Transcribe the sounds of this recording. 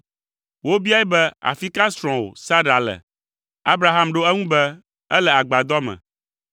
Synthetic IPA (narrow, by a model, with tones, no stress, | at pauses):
wo˦bi˦a˦jɛ˦bɛ˦a̰˨fi˦ka˦sɾ̃ɔ̃˨wo̰˨sa˦ɖa˨lɛ̰˨ | a˦bɾa˨ɦa˦mɖo˦ɛ˦ŋũ˦bɛ˦ | ɛ˦lɛ˨a˨ɡ͡ba˨d̪ɔ˦mɛ̰̃˨